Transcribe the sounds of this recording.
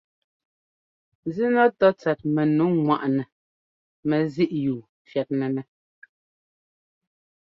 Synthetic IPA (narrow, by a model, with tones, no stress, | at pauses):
zi˦nɔ˦tɔ˦t͡sɛ˨t̚mɛ˨nu˨˦ŋwa̰˨ʔnɛ˨ | mɛ˨zi˦ʔjuː˨ | fjɛ˨t̚nɛ˨nɛ˨